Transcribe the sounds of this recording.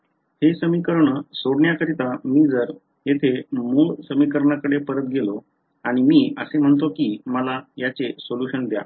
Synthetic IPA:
hesəmikəɾɳəsoɽɳjakəɾit̪amiːd͡zəɾ | jet̪ʰemuːɭsəmikəɾɳakəɽepəɾət̪̚ɡelo | aɽ̃imiːəsem̤əɳt̪̬okiːməlajat͡sesoljuɕənd̪ja̰

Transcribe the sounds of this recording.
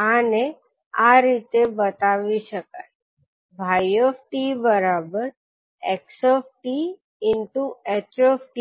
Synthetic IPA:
ane | aɾit̪ebət̪aʋiʃəkaj | bʱajɔfʈibəɾabəɾ | eksɔfʈi | ɪnʈuet͡ʃɔfʈi

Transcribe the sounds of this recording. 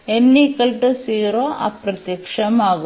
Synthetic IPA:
enːikɐlʈusiːɾoʔa̰pɾɐt̪jɐkʂɐmaːɡu

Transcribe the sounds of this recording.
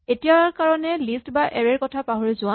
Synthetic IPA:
etijaɹkaɹɔnɛlistbaʔɛɹɛɹkɔtʰapaɦoɹizʊã

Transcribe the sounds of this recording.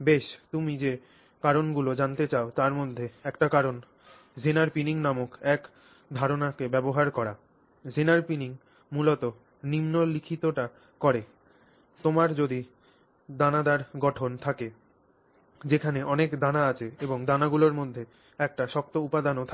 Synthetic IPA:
beʃt̪umid͡ʑe | kaɾonɡulod͡ʑant̪et͡ɕaot̪aɾmod̪ʱːeɛkʈakaɾon | d͡ʑenaɾpiniŋnamokɛk | d̪ʱaɾonakebɛboɦaɾkɔɾa | d͡ʑenaɾpiniŋ | mulɔt̪o | nimnolikʰit̪oʈa | kɔɾe | t̪omaɾd͡ʑod̪i | d̪anad̪aɾɡɔʈʰont̪ʰake | d͡ʑekʰaneʔɔnekd̪anaat͡ɕʰeeboŋd̪anaɡuloɾmod̪ʱːe | ɛk̚ʈaʃɔk̚t̪oupad̪anot̪ʰa

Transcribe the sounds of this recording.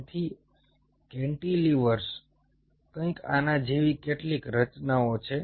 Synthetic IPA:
t̪ʰi | kɛ̃ɳʈiliʋəɾs | kə̃ĩka̰nad͡ʒeʋikeʈlikɾət͡ʃnaot͡ʃʰe

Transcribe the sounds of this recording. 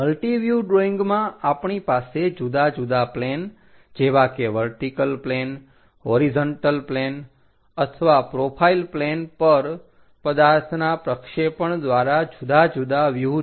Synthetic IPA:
məlʈiʋjuɖɾoiŋɡmãapɳipased͡ʒud̪ad͡ʒud̪aplen | d͡ʒeʋakeʋəɾʈikəlplen | ɦoɾizɔɳʈəlplen | ət̪ʰəʋapɾopʰailplenpəɾ | pəd̪aɾt̪ʰnapɾəkʃepəɳd̪ʋaɾad͡ʒud̪ad͡ʒud̪aʋju

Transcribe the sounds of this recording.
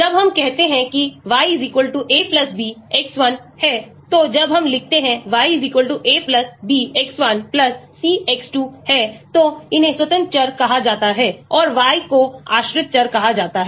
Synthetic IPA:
d͡ʒɐbɦɐmkɛɦt̪eɦɛ̃kiʋaːiziːkʋəlʈuʔeːplɐsbiːɛksʋɐnhɛːt̪od͡ʒɐbɦɐmlɪk̚ʰt̪eɦɛ̃ʋaːiziːkʋəlʈuʔeːplɐsbiːɛksʋɐnplɐsːiːɛksʈuːhɛːt̪oɪnɦẽswət̪ə̃nt͡ʃɐɾkɐɦad͡ʒaːt̪aɦɛːɔːɾʋaːikoa̰ːʃɾɪt̪̚t͡ʃɐɾkɐɦad͡ʒaːt̪aɦɛː

